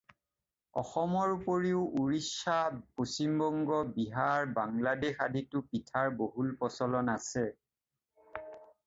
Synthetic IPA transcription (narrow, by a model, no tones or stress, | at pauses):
ɔ̰xɔmɔɹupoɹiʊʔuɹisaposimbɔŋɡɔbiɦaɹbaŋladexaditʊpitʰaɹboɦulpɔsɔlɔnasɛ